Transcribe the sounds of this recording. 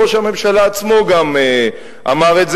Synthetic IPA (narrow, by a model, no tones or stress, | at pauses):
oʃame̞mʃalaːt͡smo̞ɡame | ʔa̰maʁetz